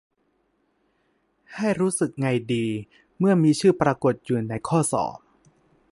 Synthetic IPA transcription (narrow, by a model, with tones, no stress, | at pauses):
ha˥˩jɾuː˦˥sɯ˨˩k̚ŋa˧jdiː˧ | mɯ˥˩ɐmiː˧t͡ɕʰɯː˥˩pɾaː˧ko˨˩t̪̚juː˨˩na˧jkʰɔː˥˩sɔ̰ː˩˦m